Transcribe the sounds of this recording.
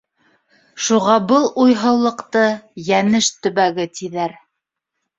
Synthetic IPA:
ʃuʁɑbɤlˠʔujɦɤ̆wlˠɤ̆qt̪ɤjænɘʃt̪ɵ̆βæɡɘt̪iðæɾ

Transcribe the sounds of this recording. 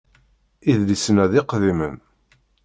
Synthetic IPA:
iðlisənæðɪqðimə̰n

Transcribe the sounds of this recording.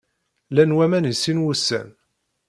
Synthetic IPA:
lænwæmænəsːinwusːæ̰n

